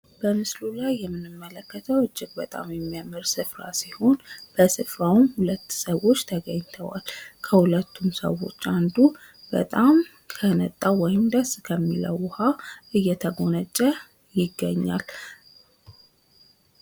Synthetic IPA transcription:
b̥əmɨslulajːɛmːɨnɨmːələkːət̪ʰəwɨd͡ʒːɪɡ̚bət̪ʼa̰mjɛmːijamːɨɾsɨfɾa̰siho̞nb̥əsɨfɾawmhulət̪ːsəwo̞t͡ʃːt̪ʰəɡəɲt̪ʰəwa̰lkʰəhulət̪ːumsə̰wo̞̰t͡ʃːand̪u | b̥ə̰t̪ʼam | kʰənət̪ʼːawɔjɪmd̪əskʰəmːḭlə̰wʊhaʔɨjːɛt̪ʰəɡo̞nət͡ʃʼːə | jɪɡːəɲːa̰l

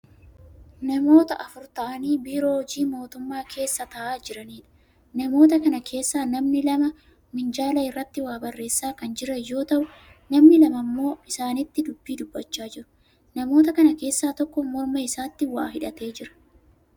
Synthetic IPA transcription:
nɐmo̞ːt̪ɐʔɐfʊɾt̪ɐʔɐniːbiːɾo̞ːd͡ʒiːmo̞ːt̪ʊmːaːkʰe̞ːsːɐt̪ɐʔaːd͡ʒɪɾɐniːᶑɐ̥ | nɐmo̞ːt̪ɐkɐnɐkʰe̞ːsːaːnɐmnɪlɐmɐ | mɪnd͡ʒaːlɐɪrːɐt̪ːɪwaːbɐrːe̞ːsːaːkɐnd͡ʒɪɾɐjːo̞ːt̪ɐʔʊ | nɐmnɪlɐmɐmːo̞ːɪsaːnɪt̪ːɪd̪ʊbːiːd̪ʊbːɐt͡ʃːaːd͡ʒɪɾʊ̥ | nɐmo̞ːt̪ɐkɐnɐke̞ːsːaːt̪ɔkːɔmɔɾmɐɪsaːt̪ːɪwaːɦɪᶑɐt̪e̞ːd͡ʒɪɾɐ̥

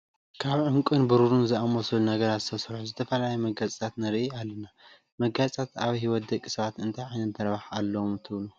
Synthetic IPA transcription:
kʰaβʕɨŋkʼɨnbɨɾuɾunzɨamoslunɐɡɐɾazɨt̪ʰɐsɾħuzɨt̪ʰɐfɐlaljɛmɐɡazʼt̪ʰat̪nɐɾʔialːɐna | mɐɡat͡sʼt̪ʰat̪aβɐjɦiwɔt̪̚d̪ɐkʼːi̥sɐβat̪ɨnt̪ʰajʕajnɐnt̪ʰɐɾβaħalːɐwomt̪ʰɨβlu

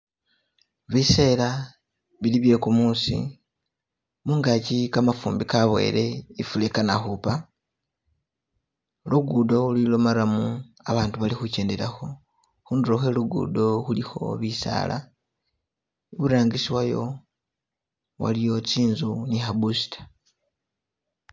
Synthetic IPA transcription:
βise̞ːla | βiliβje̞kumusḭ | muːŋɡacikamafuːmbikaβwe̞̰ɾe̞ifulekana̰xupa | luɡudo̞ulilo̞maɾamu | aβaːntuβalixuce̞ːnde̞ɾaxo̞ | xuːnduɾoxe̞luɡṵːdo̞xulixo̞̰βisa̰ːla̰ | iβuɾaːŋɡisiwajo̞̰ | wa̰lijo̞t͡siːnzunixabusi̥tḁ

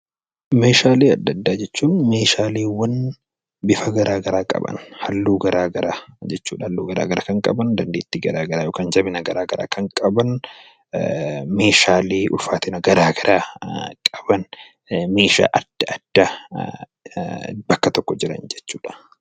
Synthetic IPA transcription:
meːʃaːleːɐd̪ːɐd̪ːaːd͡ʒɛt͡ʃːuːnme̞ːʃaːleːwɐn | bɪfɐɡɐɾʔaːɡɐɾaːkʼɐ̰bɐ̰nhɐlːuːɡɐɾaːɡɐɾaːd͡ʒɛt͡ʃːuːᶑɐhɐlːuːɡɐɾa̰ːɡɐɾakɐŋkʼɐbɐnd̪ɐnd̪eːt̪ːiɡɐɾaːɡɐɾaːjoːkaːnd͡ʒɐbɪnɐɡɐɾaːɡɐɾa̰ːkʰɐŋkʼɐbɐn | meːʃaːleːʔʊ̰lfaːt̪ɪnɐɡɐɾaːɡɐɾʔaːkʼɐbɐn | me̞ːʃa̰ːʔɐd̪̥ɐɐd̪̥ːa | bɐkːɐt̪ɔkːɔd͡ʒɪɾɐ̰nd͡ʒɛt͡ʃːuːᶑɐ̥

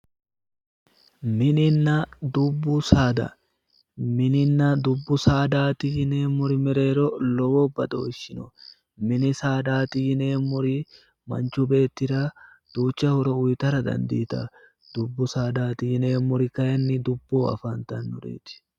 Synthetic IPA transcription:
mɪnɪnːɐd̪ʊbːʊsaːd̪ɐ̰ | mɪnɪnːɐd̪ʊbːʊsaːd̪aːt̪ijɪneːmʊɾɪmɛɾe̞ːɾɔlɔwɔːbɐd̪o̰ːɪʃːɪnɔ | mɪnɪsaːd̪aːt̪ijɪneːmːʊɾɪ | mɐ̰nt͡ʃʊbe̞ːt̪ːɪɾa | d̪̥uːt͡ʃːɐhɔɾɔʊjt̪ɐɾɐd̪ɐ̰nd̪ḭːt̪ɐ̰ | d̪̥ʊbːʊsaːd̪aːt̪ɪɪneːmːʊɾɪkɐjɐnːɪd̪ʊbːoːɐ̰faːnt̪ɐnːʊɾḛːt̪ɪ̥

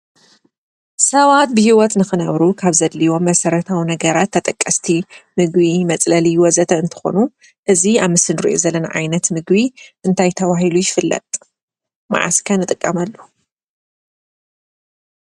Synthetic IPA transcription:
sɐβat̪̚bɨhiwɔt̪nɨxɨnɐβɾukʰaβzɐd̪liwo̞mːɐsɐɾɐt̪ʰawinɐɡɐɾat̪ʰːɐt̪ʼɐkʼːɐst̪ʰimɨɡβimɐt͡sʼlɐliwɔzɐt̪ʰɐɨnt̪ʰɨ̥xo̞̰nu | ʔɨziaβmɨsɨnɾḭʔozɐlːɐna̰ʕa̰jnɐt̪mɨɡbiʔɨnt̪ʰajt̪ʰɐβaɦilujɪfɨlːɐ̰t̪ʼ | ma̰ʕa̰skʰɐnɨt̪ʼɨkʼːɐmɐlːo

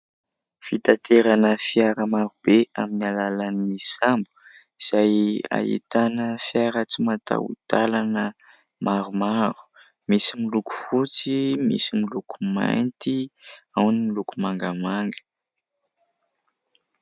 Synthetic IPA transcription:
fit̪at̪ʰeɾanəfiaɾəmaɾub̥eaminalalanimisambu̥ | iz̥aja̰ḭt̪anəfjaɾət͡simat̪a̰ṵd̪̥alanə | maɾumaɾu̥ | misimiluku̥fut͡simḭsimilukuma̰jnt̪iawnimilukumaŋɡəmaŋɡə̥

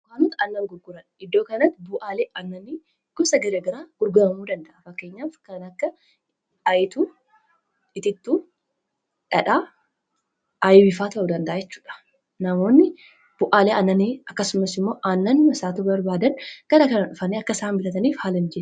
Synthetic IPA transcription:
kaːnʊt̪ɐnːɐmɡʊɾɡʊɾɐnɪd̪ːo̞ːkɐnɐt̪ːɪbʊʔaːleːɐnːɐni | ɡ̥ɔsɐɡɐɾeːɡɐɾaːɡ̥ʊɾɡʊɾɐmuːd̪ɐnd̪ɐʔɐfɐkːe̞ːɲːaːfkɐnɐkːɐ | ɐjɪt̪uː | ɪt̪ɪt̪ːuː | ᶑɐᶑaː | ʔɐjbɪfaːt̪ɐʔʊd̪ɐnd̪ɐʔaːd͡ʒɛt͡ʃːu̥ːᶑɐ̥ | nɐmo̞ːnːɪ | b̥ʊʔaːleːɐnːɐniɐkːɐsʊmɐsɪmːo̞ːʔanːɐnːɪmɐsaːt̪uːbɐɾbaːd̪ɐnɡ̥ɐɾɐkɐnɐᶑʊfɐneːɐkːɐsaːnbɪlɐt̪ɐniːfhaːlɐnd͡ʒɛ

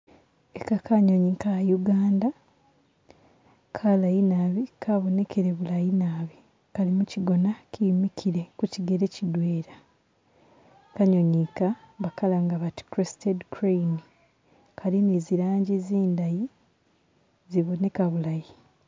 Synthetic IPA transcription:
ekakaɲo̞ɲikajuɡaːnda | kʰalajinaβikʰaβo̞ne̞kʰeɾeβulajinaːβi | kalimuciɡo̞nacʰiːmikʰiɾe̞kuciɡeɾecidweːɾa | kaɲo̞ɲika | βakalaŋɡaβati̥kɾesitedkɾejni | kʰalineziɾaːɲɟiziːndaji | ziβo̞ne̞kaβulaji

